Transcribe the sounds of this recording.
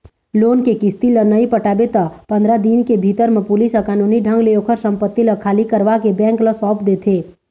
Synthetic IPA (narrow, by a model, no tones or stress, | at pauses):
loːnkekɪst̪ilənəipəʈaːbet̪apɐ̃nd̪ɾad̪inkebʱiːt̪əɾmẽpʊlisəkaːnuːniɖʱə̃ŋɡleoːkʰəɾsə̃mpət̪ːiləkʰaːlikəɾʋakebɛ̃ːŋkləsɔ̃ːpd̪eːt̪ʰeː